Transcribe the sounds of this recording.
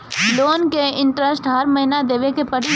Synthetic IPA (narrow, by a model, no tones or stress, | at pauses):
loːnkeɪ̃ɳʈɾəsʈɦɐɾmɐɦinad̪eːʋekepɐɽi